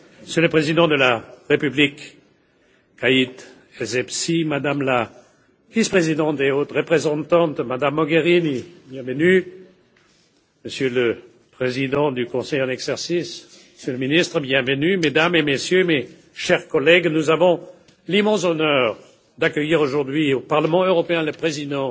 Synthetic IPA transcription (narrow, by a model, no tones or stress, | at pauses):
məsjələpχezid̪ɑ̃d̪əlaʁepyblik | ait̪ | ɛzɛpsimad̪amla | vispχezid̪ɑ̃t̪̚d̪eot̪ʁəpχezɑ̃t̪ɑ̃t̪̚d̪əmad̪amːɔɡeʁinibjɛ̃vəny | məsjølə | pχezid̪ɑ̃d̪ykɔ̃sɛjɑ̃nɛɡzɛʁsis | məsjøləminist̪χəbjɛ̃vənymed̪amemesjøme | ʃɛʁkɔlɛɡnuzavɔ̃ | limɑ̃sɔnœʁ | d̪akəjiʁoʒuʁd̪ɥiopaʁləmɑ̃øʁɔpeɛ̃ləpχezid̪ɑ̃